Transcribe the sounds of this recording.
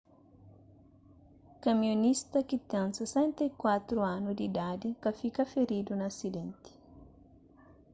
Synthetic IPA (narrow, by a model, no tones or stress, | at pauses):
kamionist̪ɐkit̪ɛ̃nsesɛ̃nt̪ekwat̪ɾuanʊd̪id̪ad̪ikafikɐfeɾid̪unasid̪ɛ̃nt̪i̥